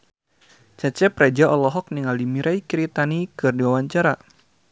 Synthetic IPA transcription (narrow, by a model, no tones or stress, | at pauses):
t͡ʃat͡ʃɛprad͡ʒaʔɔlɔɦɔk̚niŋaldimiɾʔaikiɾit̪anikɨrdiwawaɲt͡ʃaɾa